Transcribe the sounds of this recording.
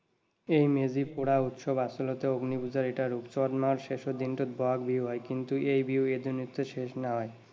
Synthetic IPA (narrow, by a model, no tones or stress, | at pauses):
ejmed͡ʑipuɽaut̪ʃobasolot̪eoɡnibud͡ʑaɾeʈaɾupt͡ɕɔad̪maɾʃeʃod̪inʈod̪bʱoakbiwɦɔekint̪uejbiwed̪unit̪ʰːeʃeʃnaɦɔe